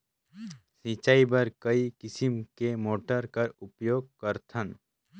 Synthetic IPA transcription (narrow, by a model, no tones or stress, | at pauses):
sĩt͡ʃaːibɐɾkəikɪsimkemoːʈəɾkɐɾʊpjoːɡ̚kəɾt̪ʰən